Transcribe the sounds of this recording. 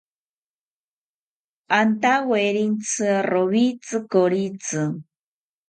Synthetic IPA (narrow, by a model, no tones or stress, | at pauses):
ant̪aweɾint͡sʰɨaroβit͡sɨkoɾit͡sɨ